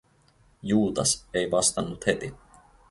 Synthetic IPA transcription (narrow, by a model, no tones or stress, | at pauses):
juːt̪ɑsejʋɑst̪ɑnːut̪het̪i